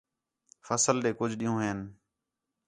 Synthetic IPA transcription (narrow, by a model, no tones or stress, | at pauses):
fʰəsəlɗeːkʊd͡ʒʱɗiːũːɦeːn